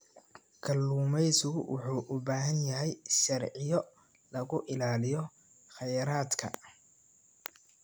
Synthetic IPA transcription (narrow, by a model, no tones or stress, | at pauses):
kʰɐlːuːmɛjsʊwʊ̰ħuːʔʊbaːɦɐnjɐɦɛjʃɐrʕɪjɔ | lɐɣʊʔɪlaːlɪjɔ | xɐjɐɾaːd̪kʰɐ̰